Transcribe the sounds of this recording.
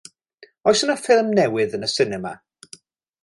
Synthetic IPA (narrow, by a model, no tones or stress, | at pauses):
ɔsənəfɪlˠmnɛwɪðənəsɪnɛma̰